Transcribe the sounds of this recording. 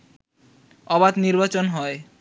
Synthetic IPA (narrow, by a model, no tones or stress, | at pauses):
ɔbad̪niɾbat͡ɕonɦɔe